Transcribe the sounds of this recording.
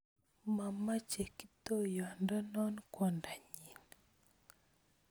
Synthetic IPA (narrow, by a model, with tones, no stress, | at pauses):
ma˨ma˦t͡ʃe˨ki̥˦to˦jɔ˨nda˦nɔ˦nkwɔ˦˨nda˨ɲi˨n